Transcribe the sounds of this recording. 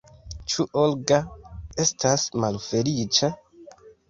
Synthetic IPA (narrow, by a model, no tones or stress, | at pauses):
t͡ʃuʔolɡae̞stasmalfe̞lit͡ʃa